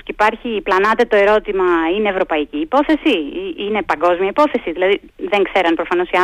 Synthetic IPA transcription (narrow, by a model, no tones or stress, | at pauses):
ipɐɾçiːplɐnɐt̪e̞t̪o̞e̞ɾo̞t̪imɐine̞ːvɾo̞pɐiciːpo̞θe̞siine̞pɐŋɡo̞zmiɐipo̞θe̞siðilɐði | ðe̞ŋkse̞ɾɐnpɾofɐno̞siɐ